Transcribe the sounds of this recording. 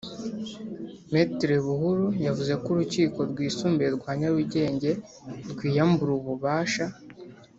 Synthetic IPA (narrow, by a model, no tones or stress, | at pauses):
metɾeβuɦuɾujavuze̞kuɾuciːko̞ɾɡwiːsuːmbeɾɡwaːɲaβuɟe̞ːɲɟe̞ | ɾɡwiːjambuɾuβuβaːʃa